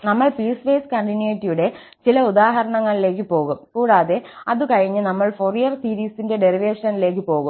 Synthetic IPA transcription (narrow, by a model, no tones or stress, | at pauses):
nɐmːɐɭpiːsʋeːskɐɳʈinjeːtːijuɽe̞ | t͡ɕilɐud̪aːɦɐɾɐɳɐŋːɐɭile̞ːk̬ːɨpo̞ːɣumkuːɽaːðe̞ɐðukɐɻiɲːɨnɐmːɐɭforijɐrsiːɾiːsinde̞ɖe̞ɾiʋeːʂɐnile̞ːkːɨpo̞ːɣum